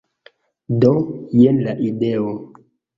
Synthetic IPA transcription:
dojenlaʔideo

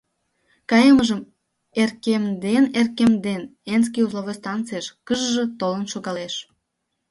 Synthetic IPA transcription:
kɑjəməʒəm | erkemd̪enerkemd̪enens̬kijuzlˠoβost̪ɑnt͡seʃkəʒʒĕt̪olənʃoɣɑleʃ

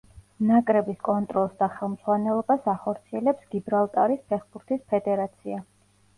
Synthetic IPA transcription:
nakʼɾɛbiskʼɔnt̪ʼɾɔlˠsd̪aχɛlˠmd̪z̥ʁwanɛlˠɔbasaχɔɾt̪sʰiɛlɛpsɡibɾalˠt̪ʼaɾispʰɛχbuɾt̪ʰispʰɛd̪ɛɾat̪sʰia

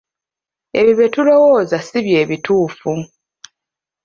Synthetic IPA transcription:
e̞βiβe̞tulo̞woːzasiβje̞ːβituːfu

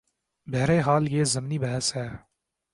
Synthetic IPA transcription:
bʱɛɦɾeːɦaːljeːzɐmnibɐɦɛshɛː

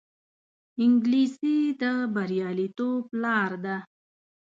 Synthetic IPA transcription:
ɪŋɡlisid̪əbaɾjɑlit̪oplɑːɾd̪a

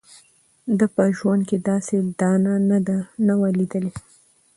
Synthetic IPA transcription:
d̪apəʒwand̪̚ked̪ɑsed̪ɑnanad̪anawalid̪əle

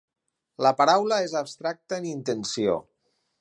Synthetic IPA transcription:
ləpaɾawləezapst̪ɾak̚t̪əːnint̪ənsio̰

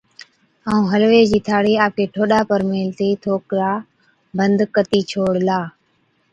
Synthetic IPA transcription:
əũːɦəlʋeːd͡ʒiːt̪ʰaːɽeːaːp̚kʰeːʈʰoːɗaːpəɾmeːlt̪eːt̪ʰoːkɾaː | bənd̪kət̪iːt͡ʃʰoːɽlaː

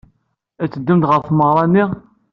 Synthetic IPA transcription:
æt͡sːəd̪ːəmt̪ʁəɾˤθməʁɾˤɑnːiʁ

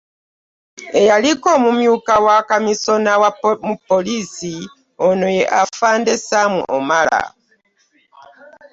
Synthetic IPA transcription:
ejalikomumjukawakamisonawamupolisi | onojɛʔafandɛsamṵʔomala̰

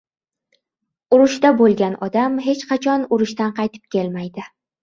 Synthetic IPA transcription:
ʊɾʊʃd̪abolˠɡʲanɒd̪amɦe̞t͡ʃqʰɑt͡ʃʰɒnʊɾʊʃt̪anqʰɑjt̪ʰɪ̥p̚kʲe̞lmajd̪ɪ

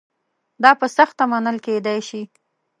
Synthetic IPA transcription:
d̪ɑpəsaxt̪amanəlked̪ajʃi

